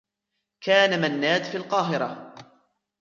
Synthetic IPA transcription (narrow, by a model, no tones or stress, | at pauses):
kaːnamanːaːd̪filqɑːɦɪɾa